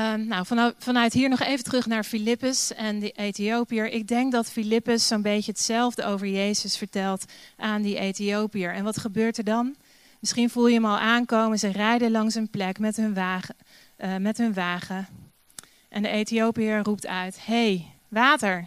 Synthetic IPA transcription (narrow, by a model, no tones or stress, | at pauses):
nawvɑnfɑnœɥtɦiːɹnɔχejvətrɵχnaːɹfilɪpəsɛndəʔejtiowpiəɹʔɪɡ̚dɛŋk̚dɑtfilɪpəsːownbejcəɦətsɛlˠvdəowvəɹjejzəsfəɹtɛlˠtʔaːndiʔejtiowpiəɹɛnʋɑtχəbøːɹtəɹdɑn | mɪsχinvulˠjəɦəmɑlˠaːnkowmənzərɛjdəlɑŋsənplɛkmɛtɦɵnʋaː | mɛtɦɵnʋaːχə | ʔɛndəejtiowpiərup̚tœɥthej | ʋaːtəɹ